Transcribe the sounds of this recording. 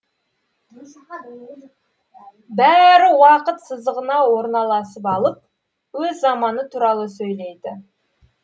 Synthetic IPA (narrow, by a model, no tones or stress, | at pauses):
bæɾɪwɑqət̪səzd̪əʁənɑwo̞ɾnɑlˠɑsəpɑlˠəp̚ | wɵzːɑmɑnət̪ʰuɾɑlˠəsɵjle̞jd̪ɪ